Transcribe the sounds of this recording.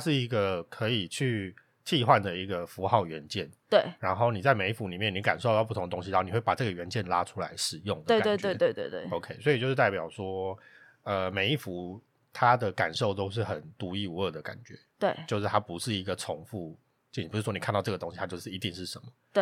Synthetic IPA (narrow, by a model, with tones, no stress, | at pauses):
aʂɻ̩˥˩i˧˥ɡə˧˨kʰɤ˧˥i˨˩t͡ɕʰy˥˩ | t͡ɕʰi˥˧xwa˥˩nd̪ə˩i˧˥ɡə˧˨fu˧˥xɑ˥˩ʊɥɛ˧˥nt͡ɕjɛ˥˩nwe˥˩ɪɻa˧˥nxo˥˩ʊni˨˩t͡sa˥˩ɪme˧ɪi˥fu˧˦˥li˨˩mjɛ˥˩ni˧˥ka˨nʂo˥˧t̪ɑ˥ʊpu˥˩t̪ʰo˧˦ŋə˧t̪o˥ŋɕi˧˥˩ni˨˩wpa˨˩ʈ͡ʂɤ˥˩ɡə˩ɥɛ˧˦nt͡ɕjɛ˥˨nla˥ʈ͡ʂʰu˥la˧˥ɪʂɻ̩˨˩jʊ˥˩ŋd̪əwe˥˧kt̪wt͡ɕ̪wɪ˦t̪we˥˧ɪt̪wt̪ḛ˥˩o˧ʊkʰe˥ɪswɔ˧˥i˨t͡ɕo˥˧ʊʂɻ̩˥t̪a˥˩p̬jɑ˨˩ʊʂwɔ˥ | ə˨me˨ɪi˥˩fu˧˥ | t̪ʰa˥d̪ə˨˩ka̰˨˩nʂo˥˩ʊt̪o˥ʊʂ̬ɻ̩˥˩xə˨˩nt̪u˧˥i˥˩u˧˦ə˥˩d̪ə˩ka̰˨˩nt͡ɕɥɛ̰˧˥t̪we˥˩ɪt͡ɕjo˥˧ʊʂɻ̩˥˩t̪ʰa˥pu˧˦ʂɻ̩˥˩i˧˦˥ɡə˨t͡sʰʊ˧˥ŋfu˥˧ | t͡ɕpu˧ʂɻ̩˥˩wɔ˥ni˨˩kʰa˥˧t̪ɑ˥˧ʊʈ͡ʂɤ˥˩ɡə˩t̪o˥ŋɕi˧t̪ʰa˥t͡ɕjo˥˧ʊʂɻ̩˥˩i˧t̪i˥˧ŋʂɻ̩˥˩ʂə˧˦nmə˨e˥˩